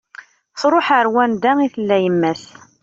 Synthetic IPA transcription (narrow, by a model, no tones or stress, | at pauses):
θɾˤoħəɾwænd̪æiθəlːæjəmːæs